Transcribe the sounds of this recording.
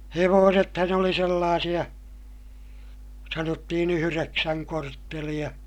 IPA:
heʋoːsethɑn oli selːɑːsij̆ɑ sɑnotːihin yhyreksæŋ kortːelij̆ɑ

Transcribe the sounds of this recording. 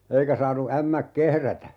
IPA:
eikæ sɑːnu æmːæk kehrætæ

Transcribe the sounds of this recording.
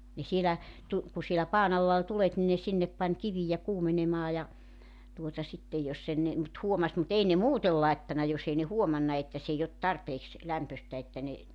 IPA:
ne sielæ tu ku sielæ pɑːn ɑlːɑ ol tulet ni ne sinːep pɑnʲ kiʋijæ kuːmenemɑː jɑ tuotɑ sitːej jos e ne mut huomɑs mut ei ne muːtel lɑetːɑnɑ jos ei ne huomɑnːɑ etːæ s eij ot tɑrpeːks læmpøstæ etːæ ne

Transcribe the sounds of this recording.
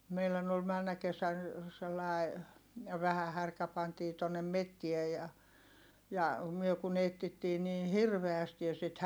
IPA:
meilæn ol mænːæ kesæn selːɑˑi̯ ʋæhæ hærkæ pɑntiː tonːem metːie jɑ jɑ myø kun etːitːiː niːn̞ hirʋeæsti jɑ sit

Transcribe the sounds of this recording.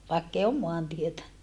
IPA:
ʋɑˑekːei om moɑntietæ

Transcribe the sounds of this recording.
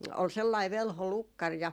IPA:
ol selːɑi ʋelho lukːɑr jɑ

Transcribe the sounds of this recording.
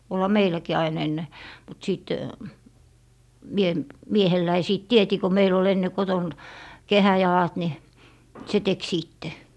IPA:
olhɑ meilækiː ɑin enːe mut siˑt mie miehelːæi siˑt tieti ko meil ol enːe koton kehæjɑlɑt ni se tek siˑtːe

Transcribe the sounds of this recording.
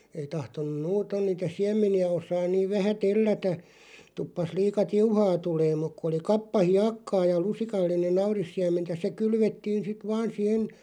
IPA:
ei tɑhtonˑum muːton niːtæ siæmˑeniæ osɑːn niːʋ ʋæhæ telːætæ tupːɑs liːkɑ tiuhɑː tuleːm muk ku oli kɑpːɑ hiɑkːɑː jɑ lusikɑlːinen̆ nɑurisːiæmˑentæ se kylʋetːiːn sit ʋɑːn sihen̞

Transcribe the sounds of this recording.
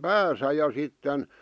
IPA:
pæːsæ jɑ sitːen

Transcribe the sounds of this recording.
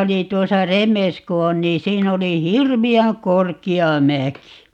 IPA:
oli tuosɑ remes ku on niː siːn oli hirʋiæŋ korkiɑ mæki

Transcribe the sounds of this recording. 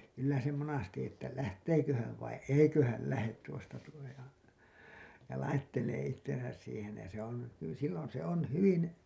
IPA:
kylːæ se monɑsti etːæ læhteːkø hæʋ ʋɑi eikø hæl læhet tuostɑ tuo jo jɑ lɑitːeleː itːesæs siːhen̞ jɑ se on hy silːon se on hyʋin

